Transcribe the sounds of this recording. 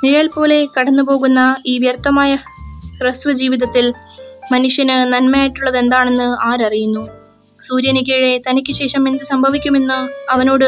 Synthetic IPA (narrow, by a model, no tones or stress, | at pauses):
niɻɐjɐlpo̞ːle̞kɐɽɐnːupo̞ːɣunːɐiːʋjɐrt̪ːɐmaːjɐkrɨsʋɐd͡ʑiːʋiðɐt̪ːil | mɐnuʂjɐnɨnɐnmɐjaːjiʈːuɭːɐðe̞nd̪aːɳe̞nːɨaːɾɐrijunːu | suːɾjɐniɣɐɻe̞t̪ɐnikʲːɨɕe̞ːʂɐmːind̪ɨsɐmbʱɐʋikʲːume̞nːɨɐʋɐno̞ːɽɨ